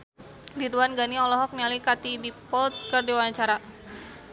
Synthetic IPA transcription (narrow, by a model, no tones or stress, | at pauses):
diduanɡaniɔlɔɦɔk̚nialikat̪idipɔlt̪̚kərdiwaɲt͡ʃaɾa